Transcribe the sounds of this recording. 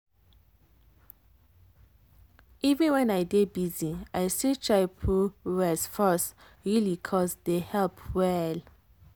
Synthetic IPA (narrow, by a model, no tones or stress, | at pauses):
ʔivɛ̃nwɛ̃najdebiziajsit͡ʃaɪpʰuɹɛsfɔs | ɹilikʰɔsdehɛlpwɛl